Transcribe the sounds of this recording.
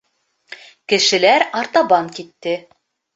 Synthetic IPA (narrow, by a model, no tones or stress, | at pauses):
kɘ̆ʃɘ̆læɾɑɾt̪ɑbɑŋkit̪ːɘ